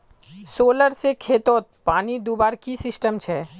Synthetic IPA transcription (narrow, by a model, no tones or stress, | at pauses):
soːləɾsekʰeːt̪oːt̪̚paːnid̪uːbaɾkisɪsʈəmt͡ʃʰɛ